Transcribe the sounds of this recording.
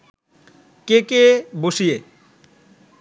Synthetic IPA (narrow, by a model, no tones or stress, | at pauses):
kekeboʃije